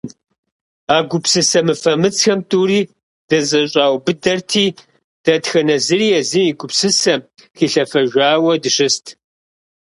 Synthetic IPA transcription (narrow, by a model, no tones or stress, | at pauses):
aːɡʷʊpsɨsɐmɨfɐmɨt͡sxɐmtʼuːɾiː | d̥ɐzɐɕʼaːwbɨdɐrtʰiː | d̥ɐtxɐnɐzɨriːjɛzɨmiɡʷʊpsɨsɐm | xiːɬɐfɐʒᶣʷaːwɐdɨʂɨstʰ